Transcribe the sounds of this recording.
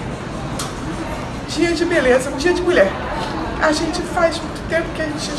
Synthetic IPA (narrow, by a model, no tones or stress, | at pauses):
d͡ʒiɐd͡ʒɪbelezɐũd͡ʒiɐd͡ʒɪɡulɛɾ | aʒẽnt͡ʃɪfajzmũj̃t̪ʊ̥t̪ẽpʊkɪɐʒẽnt͡ʃɪ